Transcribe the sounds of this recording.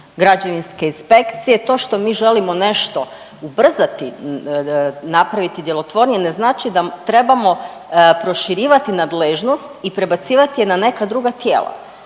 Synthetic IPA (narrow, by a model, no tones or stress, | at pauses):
ɡɾad͡ʑeʋinske̞inspe̞kt̪sijet̪o̞ʃt̪o̞miːʒe̞limo̞ne̞ʃt̪o̞ | ubr̩zat̪i | napɾaʋit̪id̪je̞lo̞t̪ʋo̞ɾnɲene̞znaːt͡ʃid̪at̪ɾe̞bamo̞ | pɾo̞ʃiɾiːʋat̪inad̪leʒno̞st̪ipɾe̞bat̪siːʋat̪ije̞nane̞kad̪ɾuɡat̪je̞ːlˠa̰